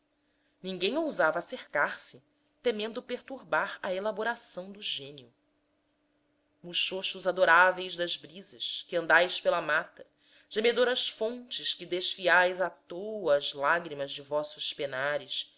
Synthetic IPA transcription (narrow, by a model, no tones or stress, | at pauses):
nĩŋɡẽj̃owzavɐːseɾkaɾsɪ | t̪emẽnd̪ʊpeɾt̪uɾbaɾɐelaboɾasɐ̃w̃d̪ʊʒẽniʊ | muʃoʃuzad̪oɾavejzd̪ɐzbɾizɐʃkɪɐ̃nd̪ajspelɐmat̪ɐ | ʒ̥emed̪oɾɐʃfõnt͡ʃɪʃkɪd̪eʃfiajzat̪owɐzlaɡɾimɐzd͡ʒɪvɔsʊʃpenaɾɪʃ